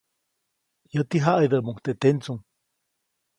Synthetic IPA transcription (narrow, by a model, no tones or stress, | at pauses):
jət̪iɦaʔaid̪əʔmuŋt̪eʔt̪ent͡suŋ